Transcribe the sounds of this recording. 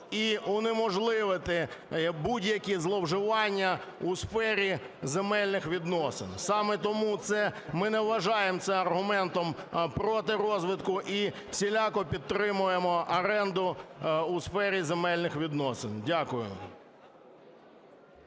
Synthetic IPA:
iɔnɪmɔʒlˠɪʋɪt̪ɪbudʲjɐkʲizlˠɔwʒɪʋɑnʲːɐusfɛɾʲi | zemɛlʲnɪxʋʲid̪nɔsɪ̰nsɑmɛt̪ɔmut̪sɛmɪnɛʋʋɐʒɑjemt̪sɛmɐrɦʊmɛnt̪ɔmpɾɔt̪ɪɾɔzʋɪd̪kʊʔi | sʲilʲɑkɔpʲid̪̚t̪ːɾɪmʊjemɔʔɐɾɛnd̪ʊusfɛɾʲizemɛlʲnɪxʋʲid̪nɔsɪndʲakʊjʊ̰

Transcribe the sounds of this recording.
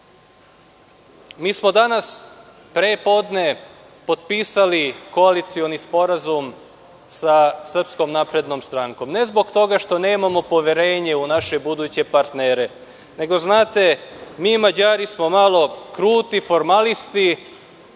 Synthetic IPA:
miːsmo̞d̪anas | pɾepo̞d̪ne̞ | po̞t̪̚piːsaliko̞alit̪sio̞nispo̞ɾazum | sasr̩psko̞mnaːpɾe̞d̪no̞mst̪ɾaŋko̞mne̞zbo̞ɡt̪o̞ɡaʃt̪o̞ne̞ːmamo̞po̞ʋjeɾe̞ːɲe̞unaʃe̞bud̪uːt͡ɕe̞paɾt̪neːɾe̞ | ne̞ɡo̞znaːt̪e̞miːmad͡ʑaːɾismo̞malo̞kɾuːt̪ifo̞ɾmalist̪i

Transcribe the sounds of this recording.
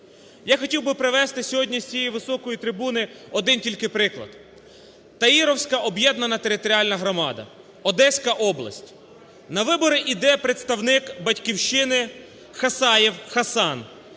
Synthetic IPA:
jaxɔtʲiwbɪpɾɪʋɛst̪ɪsʲɔɦɔdʲnʲisʲt͡sʲijɛjʋɪsɔkɔjit̪ɾɪbunɪɔd̪ɪntʲilʲkɪpɾɪklˠɐ̰d̪̥ | t̪ɐiɾɔwsʲkɐʔɔbjɛd̪nɐnɐt̪eɾɪt̪ɔɾʲiɑlʲnɐɦɾɔmɑd̪ɐ̰ | ɔd̪ɛsʲkɐʔɔblˠɐ̰sʲtʲ | nɐʋɪbɔɾɪʔid̪ɛpɾet̪st̪ɐwnɪkbɐtʲkʲiwʃɪnɪ | xɐsɑjiwxɐsɑn

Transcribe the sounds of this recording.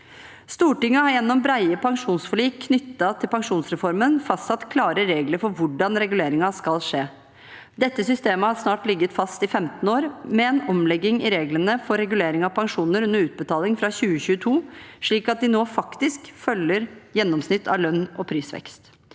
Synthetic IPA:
st̪uːʈɪŋːəhɑɾjɛnːɔmbɾæɪəpʰɑŋʂuːnsfɔliːkkʰːnʏt̪ːɑt̪ʰɪlpɑŋʂuːnsɾɛfɔɾmənfɑst̪sɑt̪kʰlɑːɾəɾeːɡləɾfɔɾʋʊɖɑnɾɛɡʉleːɾɪŋɑskɑlʂeː | d̪ɛt̪ːəsʏst̪eːməhɑɾsnɑːʈlɪɡːət̪fɑst̪ɪfɛmt̪n̩oːɾmɛɛnɔmlɛɡːɪŋɪɾeːɡlənəfɔɾɛɡʉleːɾɪŋɑʋpʰɑŋʂuːnəɾʉnːəɾʉːt̪̚bət̪ʰɑːlɪŋfɾɑçʉːəçʉːət̪ʰuːʂɭiːkɑt̪̚d̪ɪnoːfɑkt̪ɪskfœlːəɾjɛnːɔmsnɪt̪ʰːɑ̰ʋlœnːɔpʰɾiːsʋɛ̰kst̪

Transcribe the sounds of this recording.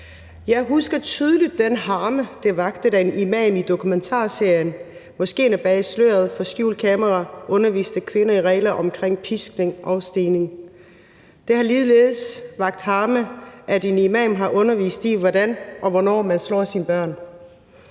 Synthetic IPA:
jɑ̈ɪɦusɡ̥ɐt͡sʰyːð̞ˠəlid̥ːenɦɑ̈ːməd̥e̝ʋɑ̈ɡ̥d̥əd̥æenimɛ̰ːmid̥o̝kʰument͡sʰɑ̰̈ːse̝ɐ̰jən | mɒ̽sɡ̥e̝̰ːnæb̥ɛːɪslø̰ːɐð̩ˠfɒ̽sɡ̥jṵːlkʰɛmɐʁɑʔɔ̽nɐʋḭːsd̥əkʰʋe̝nɐiʁɛ̰ːlɐʔɒ̽mkʰʁeŋ̰pʰisɡ̥ne̝ŋʔɒ̽ʊsd̥iːne̝ŋ | d̥e̝hɑ̈liːðˠleːð̩ˠsʋɑ̈ɡ̥̚d̥hɑ̈ːməʔædenimɛ̰ːmɦɑ̈ʔɔ̽nɐʋḭːsd̥iʋɒdænʔɒ̽ʋɒnɒ̰ːmænslɒ̰ːsinb̥ɶɐ̰n

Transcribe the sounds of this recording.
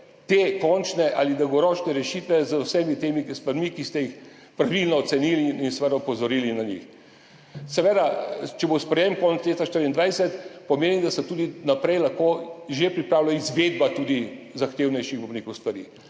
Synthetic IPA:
t̪ekɔnt͡ʃnɛʔa̰lid̪ɐwɡɔɾɔːt͡ʃnɛɾɛʃit̪ʋɛzəwsɛmit̪eːmikst̪ʋɐɾmikist̪ɛjix | pɾaʋilnɔːt̪sɛniliinsɛʋɛd̪aupɔzɔɾiːlinaɲḭx | sɛʋɛd̪at͡ʃɛbospɾɛjemkɔnɛt̪sleːt̪aʃt̪əɾind̪ʋɛjsɛt̪pɐmeːnimd̪asɛt̪uːd̪inapɾɛjlaxkoʒepɾipɾaːwlaizʋed̪bat̪ud̪izaxt̪eːwnɛjʃiɣbonekost̪ʋaɾḭ

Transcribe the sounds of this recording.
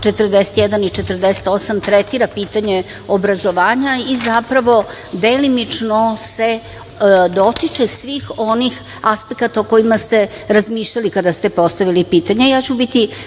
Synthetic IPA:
t͡ʃet̪ər̩d̪eset̪jed̪anit͡ʂet̪ər̩d̪ese̥t̪o̞samt̪ɾet̪iɾapiːt̪aɲe̞ | obɾazo̞ʋaːɲaizapɾaʋo̞ | d̪elimit͡ʂnose | d̪o̞t̪it͡ʂesʋiːxo̞nix | aspe̞kat̪aoko̞imast̪e̞ | ɾazmiːʃʎalikad̪ast̪e̞po̞st̪aʋilipiːt̪aɲejaːt͡ɕubit̪i

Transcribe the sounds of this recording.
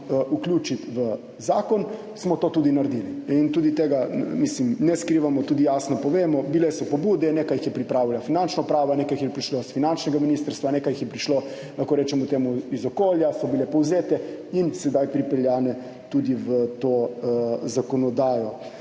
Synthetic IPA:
ʔuklʲjuːt͡ʃit̪ʋə | zaːkɔn | smɔt̪oːt̪uːd̪inaɾd̪iliint̪uːd̪it̪eːɡamislimnɛskɾiːʋamɔt̪ud̪ijaːsnɔpɔʋeːmɔbilɛsɔpɔbuːd̪ɛnekajixjɛpɾipɾaːʋilafinant͡ʃnɔpɾaːʋɔneːkajixjɛpɾiʃlosfinant͡ʃnɛɡaminist̪əɾst̪ʋaneːkajixjɛpɾiʃlo | laxkoɾɛːt͡ʃɛmut̪eːmuizɔkoːljasɔbilɛpɔwzeːt̪ɛinsɛd̪ajpɾipɛljaːnɛ | t̪ud̪iʋət̪oːzakɔnɔd̪aːjɔ

